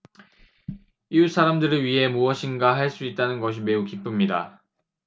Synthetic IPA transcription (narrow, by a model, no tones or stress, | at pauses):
iusʰaɾamdɯɾɯɭɥiɦe̞muʌɕʰinɡaɦaɭs͈uit̚t͈anɯnɡʌɕ̬ʰime̞ukip͈umɲida̰